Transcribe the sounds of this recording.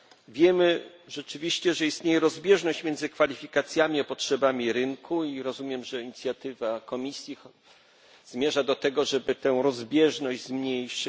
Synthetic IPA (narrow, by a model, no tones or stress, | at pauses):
vʲjɛmɘʐ̥ɛt͡ʂɘvʲiɕt͡ɕɛʐɛist̪ɲejɛɾɔzbʲjɛʐnɔɕt͡ɕmʲɛndzɘkfalʲifʲikat̪sʲjamʲiɔpɔtʂɛbamʲiɾɘŋkʰuiɾɔzumʲjɛmʐɛiɲit̪sʲjat̪ɘvakɔmʲisʲji | zmʲjɛʐad̪ɔt̪ɛɡɔʐɛbɘt̪ɛ̃w̃ɾɔzbʲjɛʐnɔʑd͡ʑzmɲejʂ